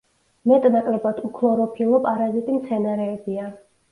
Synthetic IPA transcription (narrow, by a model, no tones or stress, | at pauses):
mɛt̪ʼnakʼlɛbad̪̥ukʰlˠɔɾɔpʰilˠɔpʼaɾazit̪ʼimt̪sʰɛnaɾɛːbia